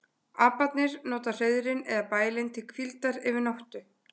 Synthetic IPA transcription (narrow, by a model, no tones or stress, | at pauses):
aːpat̪nɪɾnɔːt̪ar̥ejðʏɾɪnɛðapaːjlɪnt̪ʰɪlkʰvilt̪aɾɪvɪɾnawht̪ʏ